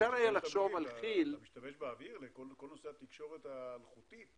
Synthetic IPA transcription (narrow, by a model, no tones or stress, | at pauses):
aɾajalaχʃo̞valχilmiʃt̪ameʃbeaviʁlekolkolnoseat̪ikʃo̞ʁet̪alχut̪it̪